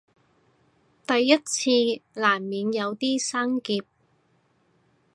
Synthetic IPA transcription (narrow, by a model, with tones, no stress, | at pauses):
t̪ɐ˨jːɐ˥t̚t͡sʰiː˧laː˨˩nmiː˨˧njɐ˨˧wt̪iː˥saː˥ŋkiː˧p̚